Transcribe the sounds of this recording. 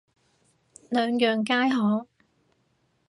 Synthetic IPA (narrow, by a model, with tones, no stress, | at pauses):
lœː˨˧ŋjœː˨ŋkaː˥jɦɔː˨˥